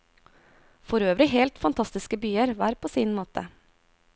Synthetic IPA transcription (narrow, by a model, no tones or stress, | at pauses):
fɔɾøːʋɾɪɦɛlt̪fɑnt̪ʰɑst̪ɪskəbyːəɾʋæːɾpʰoːsiːnmoːt̪ʰə̰